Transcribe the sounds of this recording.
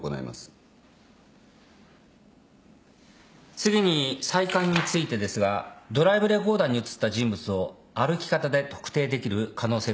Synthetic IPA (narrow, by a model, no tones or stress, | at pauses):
o̰na̰ḭma̰sɨ̥ | t͡sɨɡʲiɲ̟isaikãɲ̟ːit͡sɨit̪e̞d̪e̞sɨɡad̪o̞ɾaibɯ̟ɾe̞ɡo̞ːd̪ãɲ̟ːiɯ̟t͡sɨ̥t̪ːaʑĩmbɯ̟t͡sɨo̞ | aɾɯ̟kʲi̥kat̪ad̪e̞t̪o̞̥kɯ̥t̪e̞ːd̪e̞kʲiɾɯ̟kʰano̞ːse̞ː